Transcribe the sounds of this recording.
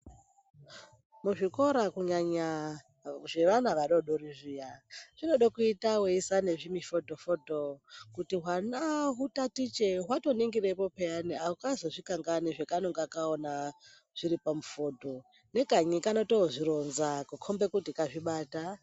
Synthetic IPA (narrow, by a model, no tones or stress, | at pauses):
muʐiko̞ɾakuɲaɲa | ʐe̞ʋanaʋaɗoɗoɾiʐijaʐ̥ino̞ɗokuitaweisane̞ʐimifoto̞fodokutiɦwanaɦutatit͡ʃeɦwato̞neŋɡirepopeaniaukazoʐikaŋɡaneʐekanoŋɡakaona | ʐ̥iɾipamufo̞to̞ | ne̞kaɲikanotoʐiɾo̞nzakukʰombe̞kutikaʐiɓaːta